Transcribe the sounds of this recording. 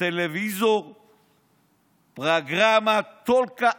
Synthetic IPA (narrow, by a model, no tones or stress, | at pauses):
elevizoʁ | pʁaɡʁamat̪olka